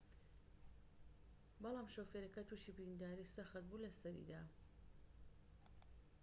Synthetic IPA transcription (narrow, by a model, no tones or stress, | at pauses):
bɨlˠaːmʃofeɾekɐt̪ʰuʃibɾind̪aːɾisɐxɐt̪̚bulɐsɐɾḭd̪a